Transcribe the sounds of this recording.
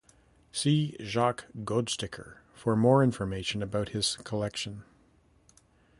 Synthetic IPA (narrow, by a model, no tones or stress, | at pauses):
siʒɑkɡ̥oʊdstɪkʰə̰˞ | fə˞mɔɹɪ̃ɱfə˞meɪʃɨ̃nɨbaʊt̚hɪz̥kʰəlɛkʃɨ̃n